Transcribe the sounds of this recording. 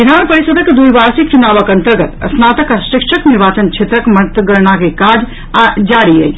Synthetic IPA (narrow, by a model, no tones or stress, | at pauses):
bid̪ʱanpəɾisəd̪əkd̪uɾbaɾsik̚t͡ʃunabəkənt̪əɾɡət̪ə̰snat̪əkasikʃʰəkniɾbaːt͡ʃənt͡ʃʰet̪ɾəkmət̪əɡəɾnakekad͡ʒ | ad͡ʒaɾiə̰j